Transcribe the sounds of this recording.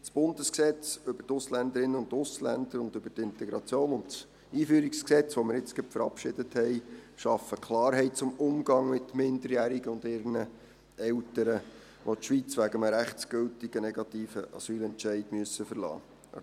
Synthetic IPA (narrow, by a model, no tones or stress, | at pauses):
t͡sb̥ʊndəsksɛt͡sʏbətʊslændəɾɪnːəʊntʊslæ̰nd̥̪əɾʊnd̪ɵbətɪntɛɡɾɑt͡sjoːnʊnts | iːfyːɾiksksɛt͡sʋomɪɾɪt͡sɡœpfəɾɑ̰pʃɪd̥əthɛɪʃɑfːəkʰlɑːɾɦɛɪt̚t͡sʊmʊmɡ̥ɑŋmɪtmɪndəɾjæːɾiɡəʊndɪɾnə | ɛltəɾə | ʋʔotʃʋit͡sʋæɡəməɾæχt͡sɡ̥øltɪɡ̥ənɛɡɑtiːfəʔɑ̰syːlɛnt͡ʃɛɪdmyəsəfəɾlɑ̰ː